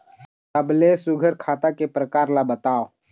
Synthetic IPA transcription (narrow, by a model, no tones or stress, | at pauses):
t̪əblesʊɡʱəɾkʰaːt̪akepɾəkaːɾlabət̪aːo